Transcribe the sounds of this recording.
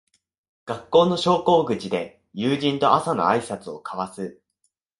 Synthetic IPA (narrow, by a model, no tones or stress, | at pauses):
ɡ̥akːo̞ːno̞ɕo̞ːko̞ːɡɯ̟t͡ɕid̪e̞ | jɯːʑĩnt̪o̞ʔasano̞̰aisat͡sɨo̞̰kʰaβasɨ